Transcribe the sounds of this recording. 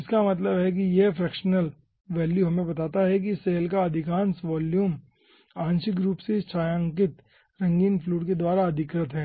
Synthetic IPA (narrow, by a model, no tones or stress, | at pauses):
ɪskamɐt̪̬ləbɦɛk̬ijefɾɛːkʃnəl | ʋɛːljuɦɐmẽbɐt̪aːt̪aɦɛk̬iseːlkaɐd̪ʱɪkãːnsʋɔːljuːm | ãːnʃɪkɡɾuːpset͡ʃaːjãːŋkɪt̪ | ɾɐ̃ŋɡiːnfʰluːʈked̪waːɾaɐd̪ʱɪkɾət̪ɦɛː